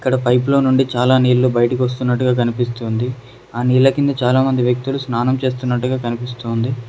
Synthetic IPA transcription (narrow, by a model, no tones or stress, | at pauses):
i̥kːɐɽɐpɐjplo̞ːnuɳɖit͡ʃaːlaːniːlːubɐjɐʈik̬iʋɐs̬t̪unːɐʈːuɡaːk̬ɐnipist̪uːnd̪i | aːniːlːɐkind̪ɐt͡ʃaːlaːmɐnd̪iʋjɐk̚t̪ulusnaːnɐmt͡ʃe̞ːs̬t̪unːɐʈːuɡaːkɐnipist̪uːnd̪i